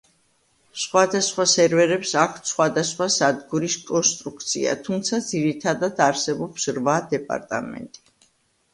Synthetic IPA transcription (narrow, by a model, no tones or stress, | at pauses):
sχwad̪asχwasɛɾvɛɾɛpsakʰt̪sχwad̪asχwasad̪ɡuɾiskʼɔnst̪ʼɾuk̚ʰt̪sʰḭa̰t̪ʰumt̪sʰad̪ziɾit̪ʰad̪ad̪aɾsɛbɔpsɾvad̪ɛpʼa̰ɾt̪ʼa̰mɛ̰nt̪ʼi̥